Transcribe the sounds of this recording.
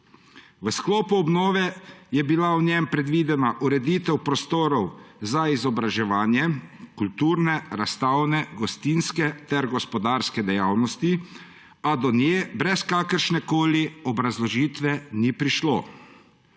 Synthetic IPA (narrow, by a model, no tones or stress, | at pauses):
ʋəsklɔːpuɔbnɔːʋɛjɛbilawnjɛmpɾɛd̪ʋiːd̪ɛnaʔuɾɛd̪it̪ɛwpɾɔst̪oːɾɔwzaizɔbɾaʒɛʋaːnjɛkult̪uːɾnɛɾast̪awnɛɡɔst̪inskɛt̪ɛɾɡɔspɔd̪aːɾskɛd̪ɛjaːwnɔst̪i | ad̪ɔnjebɾɛskakəɾʃnɛkoːliɔbɾazlɔʒiːt̪ʋɛnipɾiʃlo